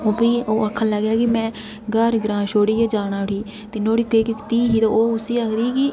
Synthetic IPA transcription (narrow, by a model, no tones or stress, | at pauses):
oːpiːoːəkʰːənləɡjaːkɪmɛ̃ː | ɡəɾɡɾãːʃoːɽiːeːd͡ʒaːɽ̃ãːɦiː | t̪eːnoːɽiːkeːkɪkt̪iːɦiːt̪õːoːʊsiːakʰd̪iːkɪ